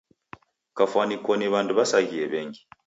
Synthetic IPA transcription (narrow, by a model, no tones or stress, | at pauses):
kafwanikɔniβanduβasaɣiɛβɛŋɡi